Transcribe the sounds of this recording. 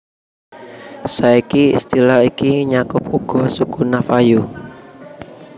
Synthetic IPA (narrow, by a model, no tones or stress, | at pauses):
saikiḭst̪ilaikiɲakʊpuɡ̥ɔ̤sukunafaju